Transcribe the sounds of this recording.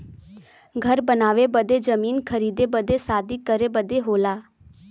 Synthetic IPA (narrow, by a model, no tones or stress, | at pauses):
ɡʱəɾbənaːʋebəd̪ed͡ʒəmiːnkʰəɾiːd̪ebəd̪esaːd̪ikəɾebəd̪eɦoːlaː